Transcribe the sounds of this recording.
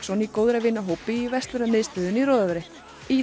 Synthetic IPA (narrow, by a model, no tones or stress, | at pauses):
sɔnikoːwðɾavɪnːaɦowpɪivɛst̪ʏɾamɪðst̪œːðʏniɾɔːðavɛɾɪ | i